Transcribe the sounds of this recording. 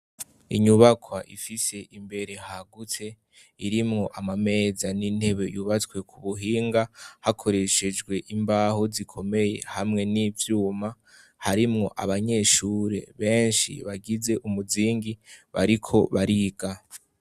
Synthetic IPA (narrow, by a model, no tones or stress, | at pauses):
ḭɲuβakʰwaʔifise̞ʔimbe̞ɾe̞haɡutʰe̞ | iɾimŋo̞ʔamame̞ːzanin̥he̞βe̞̰juβat͡swe̞kʰuβuɦiːŋɡahakʰo̞ɾe̞ʃe̞d͡ʒɡwe̞ʔimbaːɦozikʰo̞me̞je̞̰hamŋe̞nivjuːma | haɾimŋo̞̰ʔaβaɲe̞ʃuːɾe̞̰βe̞ːnʃḭβaɡize̞ʔumuziːŋɡiβaɾikʰo̞βaɾiɡ̥a